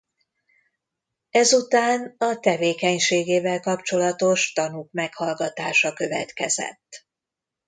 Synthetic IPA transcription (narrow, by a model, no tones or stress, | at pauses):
ɛzut̪aːnɒt̪ɛveːkɛɲʃeːɡeːvɛlkɒpt͡ʃo̞lɒt̪o̞ʃt̪ɒnukmɛkhɒlɡɒt̪aːʃɒkø̞vɛ̰t̪kɛzɛ̰t̪ː